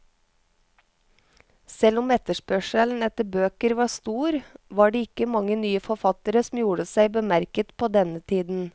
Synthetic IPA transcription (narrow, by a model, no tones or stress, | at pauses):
sɛlʊmɛt̪əʃpœʃəln̩ɛt̪əbøːkəɾʋɑːst̪uːɾʋɑːɖeːɪkəmɑŋənyːəfɔfɑt̪əɾəsm̩juːɽəsæɪbəmæɾkət̪pʰoːd̪ɛnət̪ʰiːd̪n̩